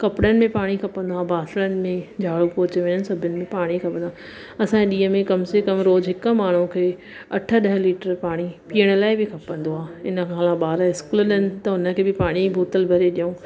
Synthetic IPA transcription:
kɐpɽənɪ̆mẽpaːɽ̃ikʰɐpə̃nd̪oaːbʱaːslənɪ̆mẽd͡ʑʱaːɭupoːt͡ɕʋẽːɲənɪ̆sɐbʱənɪ̆mẽpaːɽ̃ikʰɐpə̃nd̪a | ɐsãeɗiːəmẽkɐmsekɐmɾoːzɦɪkə̆maːɳ̤̃ũkʰeː | ɐʈʰə̆ɗɐɦəliːʈəɾpaːɽ̃ipiːəɽ̃ə̆laːɪbɪkʰɐpə̃nd̪oaːɪnə̆kʰaːlãɓaːɾəɪskʊlɗənɪ̆t̪ɐʊnə̆kʰeːbɪpaːɽ̃ibʱoːt̪əlbʱɐɾeɗijõː

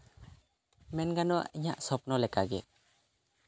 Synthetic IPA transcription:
mɛnɡanɔa̰ʔiɲaʔsɔp̚nɔlɛkaɡɛ

